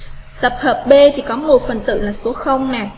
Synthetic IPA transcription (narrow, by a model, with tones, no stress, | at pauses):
t̪ə˨˩p̚həː˨˩p̚ɓe˧t̪ʰi˨˩kɔ˨˦mo˨˩t̚fə˨˩nt̪ɨ̰˧˨laː˨˩su˨˦əxə˧wŋ͡mnaː˨˩